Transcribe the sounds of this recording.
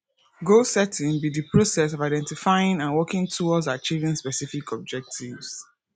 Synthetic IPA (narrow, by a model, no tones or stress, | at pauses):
ɡosɛtʰɪ̃nbidəpʰɹosɛs̬ɔvaɪdɛ̃ntifaɪɪ̃ŋãnwɔkɪ̃ŋtʰuɔz̬at͡ʃivĩŋspɛsifikʰɔb̚d͡ʒɛk̚tʰivs